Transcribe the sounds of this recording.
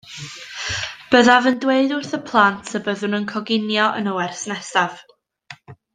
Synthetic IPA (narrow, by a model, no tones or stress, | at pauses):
b̥əðavəndweɨdʊrθəpʰlˠantʰəbəðʊnənkʰɔɡɪnjɔʔə̰nəwɛrsnɛsav̥